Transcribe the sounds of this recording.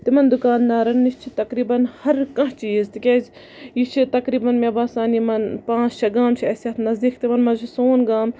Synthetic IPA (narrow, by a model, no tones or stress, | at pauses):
t̪imɐnd̪ʊkaːnːaːɾɐnːist͡ʃʰit̪ɐkɾiːbɐnhɐɾkɐ̃ɦt͡ʃiːzt̪ikʲez | jit͡ʃʰit̪ɐkɾiːbɐnmʲebaːsaːnimɐnpãːst͡ʃʰɐɡaːmt͡ʃʰiɐsɐt̪ʰnɐzd̪iːkt̪imɐnmɐt͡ʃʰisoːnɡaːm